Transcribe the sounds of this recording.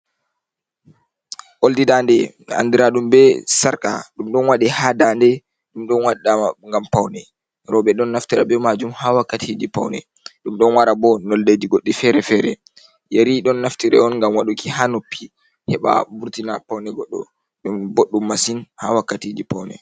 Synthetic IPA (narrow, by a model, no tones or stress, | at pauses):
ʔoldidandɛ | a̰ndiɾaɗumbɛsaɾka̰ɗumɗɔnwaɗihadandɛ | ɗumɗɔnwaɗːaaŋɡampawnɛ | ɾɔɓɛɗɔnːaftiɾabɛmad͡ʒumhawakːatʰid͡ʒipawnɛ̰ | ɗumɗɔnwaɾabɔnɔlded͡ʒiɡoɗːifɛɾɛfɛɾɛ | jeɾiɗɔnːaftiɾɛ̰ɔnŋɡamwaɗukihanopːi | hɛɓa̰buɾtinapawnɛɡɔɗːɔ̰ | ɗumboɗːumːasinhawakːatid͡ʒipawnɛ